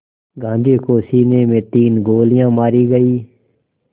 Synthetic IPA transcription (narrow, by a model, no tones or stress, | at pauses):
ɡʱãːnd͡ʒ̪eːkoːsiːneːmẽːt̪iːnɡoːlɪjãːmaːɾiːɡəiː